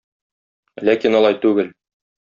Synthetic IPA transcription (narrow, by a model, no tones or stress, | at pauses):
lækinɒlˠɑjt̪ʉɡɘl